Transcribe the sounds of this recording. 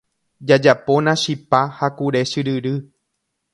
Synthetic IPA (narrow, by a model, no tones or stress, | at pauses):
d͡ʒad͡ʒapo̞nãʃipahakuɾe̞ʃɨɾɨɾɨ